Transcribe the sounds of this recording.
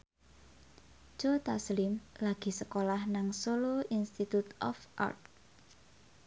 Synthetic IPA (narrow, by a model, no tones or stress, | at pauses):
d͡ʒ̥ot̪aslɪmlaɡ̥i̤səkolahnaŋsoloʔinst̪it̪ut̪ɔ̰fʔa̰rt̪̚